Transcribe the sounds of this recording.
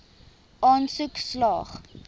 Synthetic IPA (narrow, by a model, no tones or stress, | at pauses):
ʔɑːnsukslɑːχ